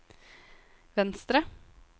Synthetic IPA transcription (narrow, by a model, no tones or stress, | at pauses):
ʋɛnst̪ɾə